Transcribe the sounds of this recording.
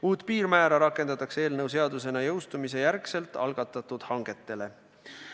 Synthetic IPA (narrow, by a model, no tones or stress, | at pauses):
uːt̪ˑpiːrmæːɾɑɾɑkːˑe̞nd̪̥ɑt̪ːˑɑkse̞ːlnɤws̬e̞ɑd̪use̞nɑjɤwst̪umise̞jæɾkse̞lt̪ˑɑ̰lɡ̥ɑt̪ːˑɑt̪ːud̪̥hɑŋɡ̥e̞t̪ːe̞le̞